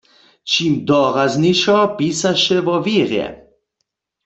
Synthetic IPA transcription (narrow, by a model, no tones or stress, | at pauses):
t͡ʃimd̪ɔʁazniʃɔpiːsaʃɛvɔviʁjɛ̰